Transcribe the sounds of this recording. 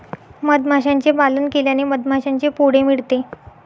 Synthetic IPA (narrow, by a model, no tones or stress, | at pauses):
məd̪m̤ʱaɕãɲt͡ɕebalənkeljaniməd̪mʱaɕãɲt͡ɕepuɽ̤emiɽt̪e